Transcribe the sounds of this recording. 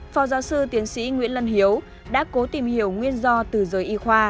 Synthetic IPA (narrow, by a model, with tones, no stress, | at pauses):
fɔ˨˦wzaː˨˦wsɨ˧t̪i˨˦ənsḭ˧˥ŋwḭ˧˥ənlə˧˩nhi˨˦əw | ɗa̰ː˧˥ko˨˦t̪i˧˩mhi˧˩əwŋwi˧ənzɔ˧t̪ɨ˨˩zəː˨˩˦jʔi˧xwaː˧